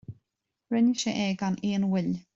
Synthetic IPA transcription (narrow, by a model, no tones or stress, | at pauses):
ɹɛnʃəʔɛɡaneːnwɪl